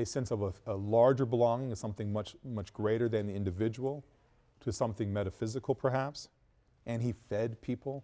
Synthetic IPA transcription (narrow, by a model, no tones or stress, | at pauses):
ɨsɛ̃nsʌvəəlɑɹd͡ʒə˞bəlɔ̃ŋɪ̃ŋɨ̥sʌ̃mθɪ̃ŋmʌt͡ʃmʌt͡ʃɡ̥ɹeɪɾə˞ðɨ̃nðiɪ̃ndɨvɪd͡ʒəwl̩ˠ | tʰɨsʌ̃mθɪ̃ŋmɛɾɨfɪzɨkl̩ˠpʰə˞ɦæps | ʔɨ̃nifɛd̚pʰipʰl̩ˠ